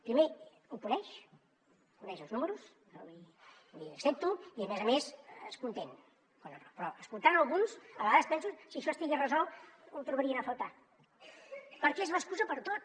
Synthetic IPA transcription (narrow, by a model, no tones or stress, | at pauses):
pɾime | ukunɛʃ | kunɛʃəlˠznuməɾus | i | liəksep̚t̪uiəmɛzəmesəskunt̪en | kwanərɔpɾɔʔəskulˠt̪anəlˠɣunsəβəɣaðəspɛnsusiəʃɔst̪iɣiərəzɔut̪ɾuβəɾiənəfəlˠt̪a | pəɾkɛezləskuzəpəɾt̪ot̪